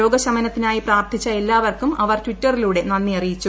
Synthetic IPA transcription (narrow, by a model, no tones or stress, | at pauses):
o̞ːɡɐɕɐmɐnɐt̪ːinaːjipraːrt̪ʰit͡ɕːɐelːaːʋɐrkumɐʋɐrtʋiʈːɐriluːɽe̞nɐnːiɐrijit͡ɕːu